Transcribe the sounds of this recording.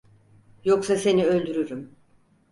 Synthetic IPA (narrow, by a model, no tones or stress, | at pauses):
jo̞ksase̞niø̞lʲd̪yɾyɾym